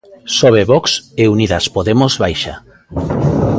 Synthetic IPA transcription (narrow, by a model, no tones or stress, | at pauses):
sɔβeβɔkseuniðaspoðemozβajʃa̰